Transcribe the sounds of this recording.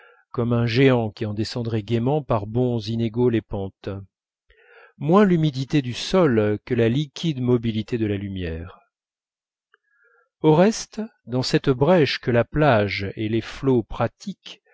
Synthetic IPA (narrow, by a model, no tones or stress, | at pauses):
kɔmɛ̃ʒeɑ̃kʲiɑ̃d̪esɑ̃d̪ʁɛɡʲemɑ̃paʁbɔ̃zineɡolepɑ̃t̪ | mwɛ̃lymid̪it̪ed̪ysɔlkəlalikʲʰid̪mɔbilit̪ed̪əlalymjɛʁ | oʁɛst̪d̪ɑ̃sɛt̪bʁɛʃkəlaplaʒeleflopχat̪ik